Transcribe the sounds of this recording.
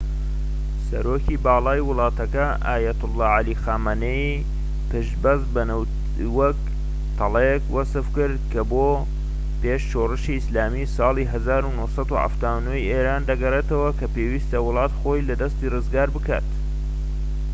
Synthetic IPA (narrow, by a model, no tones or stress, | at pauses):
sɐ̰ɾoːcʰibɑːlˠɑːjwɨlˠɑːt̪ɐkɐ | aːjɐt̪ʊlˠːɑːʕalixaːmanei | pɨʃbɐzbɐn | wɐk̚ | t̪ʰɑlˠejkwɐsɨfkɨɾd̪kɐboː | peːʃʃoːrɨʃiɪslaːmisɑːlˠiːɦɐzaːɾunosɑd̪uha̰ft̪aːwnoiʔeːɾaːnd̪ɐɡɐreːt̪ɐwɐkʰɐpeːwiːst̪ɐwʊlˠɑːt̪xoːjlɐd̪ɐst̪iːrɨzɡaːɾbɨka̰ːt̪